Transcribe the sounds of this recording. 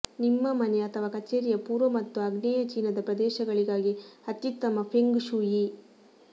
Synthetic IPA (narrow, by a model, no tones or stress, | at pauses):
nimːɐmɐneɐt̪ʰɐʋaːkɐt͡ʃeːɾijɐpuːɾʋɐmɐt̪ːuɐɡnɛːjɐt͡ʃiːnɐd̪ɐpɾɐd̪ɛːʃɐɡɐɭiɡaːɡiɐt̪jut̪ːɐmɐpʰeŋɡʃuːji